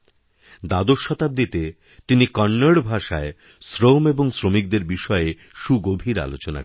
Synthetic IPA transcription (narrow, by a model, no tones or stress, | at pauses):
d̪ad̪oʃɔt̪ab̚d̪it̪e | t̪inikɔɳːaɽbʱaʃae | sɾomeboŋsɾomik̚d̪eɾbiʃɔee | ʃuɡobʱiɾa̰lot͡ɕona̰